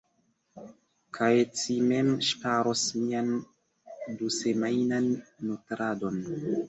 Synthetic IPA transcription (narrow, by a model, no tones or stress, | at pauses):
kʰajt͡simemʃpaɾosmian | duse̞majnanːutɾado̞n